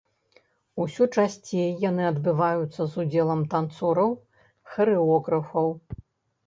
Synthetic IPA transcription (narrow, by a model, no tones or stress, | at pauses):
usʲut͡ʂasʲt͡sʲejjːanɨɐd̪bɨvajut̪sːɐzud͡zʲɛlˠɐmt̪ant̪sɔɾɐw | xɐɾɨɔɣɾɐfɐw